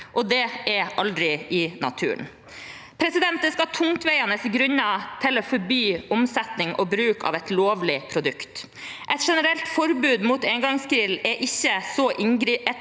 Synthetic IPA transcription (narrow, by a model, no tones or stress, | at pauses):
ʔɔd̪ɛɛɾʔɑld̪ɾɪɪnɑ̰t̪ʰʉ̰ːn | pʰɾɛsɪd̪ɛnt̪əskɑt̪ʰʊŋt̪ʋæɪɑnəsɡɾʉɲːɑt̪ʰɪlɔːfɔɾbyːʊmsɛt̪nɪŋʔɔbɾʉːkɑ̰ːʋɛt̪loːʋlɪpʰɾʊd̪ʉkt̪ | ʔɛt̪ʂɛnəɾɛlt̪fɔɾbʉːd̪muːt̪ɛŋɡɑŋskɾɪlɛʔɪçːəsɔʔɪŋɡɾiɛ